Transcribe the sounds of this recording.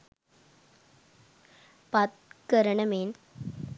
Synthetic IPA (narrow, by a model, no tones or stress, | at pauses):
pɐt̪̚kɐɾɐɳɐmeːn